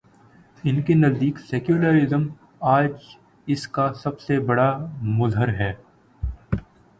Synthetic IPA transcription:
ɪnkenɐzd̪iːksɛːkjuləɾɪzəm | aːd͡ʒ | ɪskasɐbsebɐɽamʊzɦəɾɦɛː

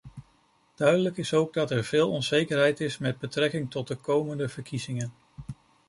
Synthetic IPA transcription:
d̥œɥdələkɪsowɡ̚dɑtɛɹvɪːlˠɔnzejkəɹɦɛjtɪsmɛd̚bətrɛkɪŋtɔt̚dəkowməndəvəɹkʰizɪŋən

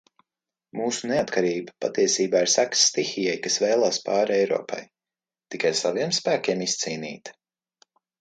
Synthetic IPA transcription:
muːsuneat̪kaɾiːbapa̰t̪iɛsiːbaːiɾsaksːt̪ixijɛjkasvɛːlˠaːspɑːɾɛjɾɔ̰ːpa̰j | t̪ikajsaviɛmspæːkʲiɛmist̪siːnḭːt̪

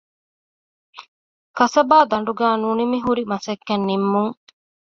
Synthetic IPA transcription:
kɐsɐbaːd̪ɐɳ̆ɖuɡæːnunimiɦuɾimɐsɐkːɐnːimːuŋ

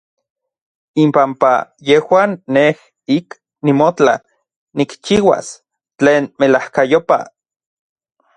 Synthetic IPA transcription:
impampa̰jehwaːnːeh | ik | nimot͡ɬa̰ | nikt͡ʃiwa̰s | t͡ɬeːnmelahkajopa̰

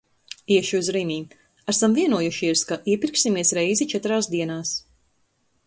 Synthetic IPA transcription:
iɛʃiuzɾimʲiː | asamviɛnuɔjuʃiɛskaʔiɛpiɾksimiɛsɾɛjzit͡ʃɛt̪ɾaːsd̪iɛnaːs

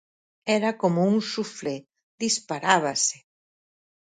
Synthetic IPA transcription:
ɛɾakomʊuŋsufle | ðispaɾaβasɪ̥

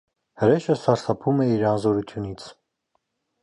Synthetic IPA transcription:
həɾɛʃəsɑɾsʰɑpʰumɛiɾɑnzɔɾut̪ʰjunit͡sʰ

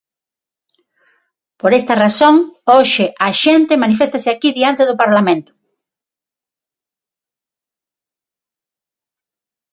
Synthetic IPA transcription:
poɾest̪ɐrasoŋoʃɪʔaʃent̪ɪmanifest̪asɪakiðiant̪eðʊpaɾlamẽnt̪ʊ̥

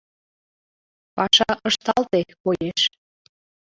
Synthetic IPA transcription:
pɑʃɑʔəʃt̪ɑlt̪ekojeʃ

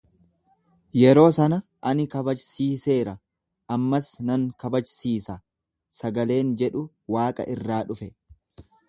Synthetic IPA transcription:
jɛɾo̞ːsɐnɐʔɐnɪkɐbɐd͡ʒsiːse̞ːɾɐ | ʔɐmːɐsnɐŋkɐbɐt͡ʃsiːsɐ | sɐɡɐle̞ːnd͡ʒɛᶑʊ | waːkʼɐ̰ʔɪrːaːᶑʊfɛ

